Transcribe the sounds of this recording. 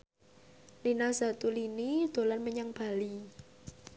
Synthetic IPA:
linaza̤t̪ulinid̪̥o̤lanməɲaŋb̥a̤li

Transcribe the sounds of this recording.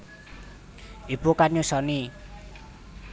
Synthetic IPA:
ibukaɲusɔni

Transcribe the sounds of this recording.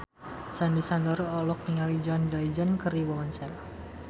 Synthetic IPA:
sandisandɔɾɔlɔk̚niŋalid͡ʒɔnd͡ʒaid͡ʒankəɾiwɔɔnsɛl

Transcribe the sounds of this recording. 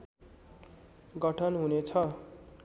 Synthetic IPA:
ɡʌʈʰʌnɦunet͡sʰʌ

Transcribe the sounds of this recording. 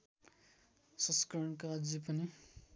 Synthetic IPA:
sʌ̃skʌɾʌɳkad͡zipʌni

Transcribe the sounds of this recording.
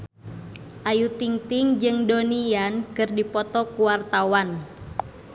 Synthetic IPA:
ʔajut̪iŋt̪ɪŋd͡ʒɨŋdonijankɨrdipɔt̪ɔkuwart̪awan

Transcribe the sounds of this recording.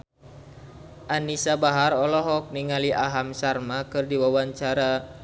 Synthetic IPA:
ʔanisabaɦaɾɔlɔɦɔk̚niŋaliʔaɦamsarmakɨrdiwawaɲt͡ʃaɾa

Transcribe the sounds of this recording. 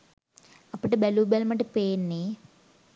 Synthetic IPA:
ɐpːɐʈibeluːbelmɐʈːipeːnːi

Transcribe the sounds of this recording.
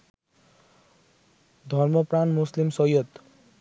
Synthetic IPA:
d̪ʱʌrmʌpranmuslimsʌjʌt̪

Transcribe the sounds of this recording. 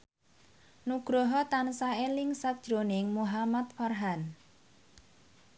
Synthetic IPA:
nuɡ̥ɾoɦɔt̪ansaelɪŋsat̪̚d̥ʒ̥ɾonɪŋmuɦamat̪̚farɦan

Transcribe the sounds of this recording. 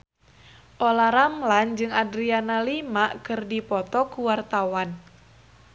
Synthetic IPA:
ʔolaɾamland͡ʒɨŋadɾianalimaʔkɨrdipɔt̪ɔkuwart̪awan

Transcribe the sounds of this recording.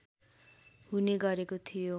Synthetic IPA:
ɦuneɡʌɾekot̪ʰijo

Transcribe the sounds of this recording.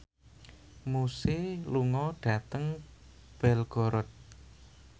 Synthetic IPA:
musɪluŋɔɖ̥a̤t̪əŋ | b̥ɛlɡ̥ɔ̤ɾɔt̪̚

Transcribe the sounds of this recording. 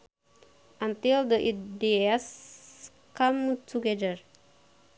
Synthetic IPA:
ʔãnt̪ild̪əʔidias | kamtʰuɡɛdəɹ

